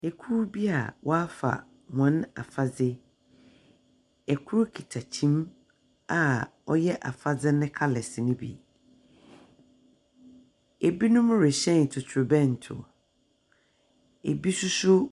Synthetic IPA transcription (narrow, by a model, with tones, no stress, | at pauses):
e˨kʰu˦ɾbi˦a̰˨wɔ˦a˦fa̰˨ | mã˨˦na̰˨fa˦d͡zɪ˦ | ɛ˨kʰu˦ɾkʰi˨tʰa˨t͡ɕʰĩ˦m | a˨ɔ˦jɛ˦ʔa̰˨fa˦d͡zɪ˦nɪ̃˦kʰa˦lɛ˨sɪ˨nʊ̃˦bḭ˨ | e˨bi˦nʊ̃˦m˦ɾɪ˨ɕɛ̃˦˨n˨tʰʊ˨tʰʊ˨bɛ̃˦˨n˨tʰʊ̰˨ | e˨bi˦sʊ˦sʊ˦